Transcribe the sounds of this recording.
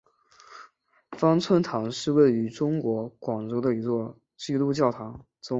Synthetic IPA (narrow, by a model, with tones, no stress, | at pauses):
fɑ˥ŋt͡sʰwə˥nt̪ʰɑ˧˥ŋʂɻ̩˥˧we˥˩ɪy˧˥ʈ͡ʂʊ˥ŋkwɔ˧˥kwɑ˨˩ŋʈ͡ʂo˥ʊd̪ə˧i˧˥t͡swɔ˥˩ | t͡ɕi˥˧lu˥˧t͡ɕjɑ˥˩ʊt̪ʰɑ˧˥ŋ | t͡sʊ˥